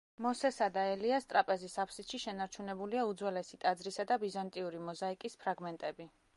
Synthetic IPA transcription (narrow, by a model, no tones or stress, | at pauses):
mɔsɛsad̪aɛliast̪ʼɾapʼɛzisapʰsit̪ʃiʃɛnaɾt͡ʃʰunɛbuliaud̪zwɛlɛsit̪ʼad̪zɾisad̪abizant̪ʼiuɾimɔzaikʼispʰɾaɡmɛnt̪ʼɛbi